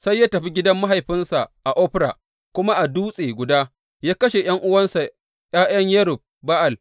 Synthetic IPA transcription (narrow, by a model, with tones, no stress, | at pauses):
sa˦jːaː˦tɐ˨ɸi˦ɡʲɪ˦dɐ˦mːa˦ɦa˨jɸɪ˦nsa˨ʔʔa˨ʔoː˦ɸɪ˦ɾa̰˨ | kʷʊ˦ma˦ʔa˨duː˦sʼeː˨ɡʷʊ˨daː˦ | jaː˦kɐ˦ʃe˨j̰ɐ˦ŋʔʊ˦wɐ˦nsa˨ | j̰aː˦jɐ˦ɲjɐ˦ɾʊ˨b̚ba˦ʔa˨l